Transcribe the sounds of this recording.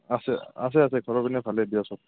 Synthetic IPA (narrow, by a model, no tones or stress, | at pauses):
asɛa̰s̬ɛas̬ɛkʰɔɹɔbinɛpʰalɛbiasɔk